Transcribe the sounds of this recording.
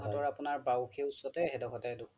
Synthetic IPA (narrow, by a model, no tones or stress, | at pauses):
ɦɔɔɹapʊnaɹbawkʰeusɔtɛɦɛdɔkʰɔtado